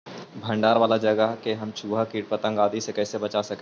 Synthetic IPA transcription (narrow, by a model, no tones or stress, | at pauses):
bʱɐ̃ɳɖaːɾʋaːlad͡ʒɐɡəɦkeɦɐmt͡ʃʰuːbʱakiːʈ̚pɐt̪ə̃ŋɡaːd̪isekɛːsebɐt͡ʃasɐke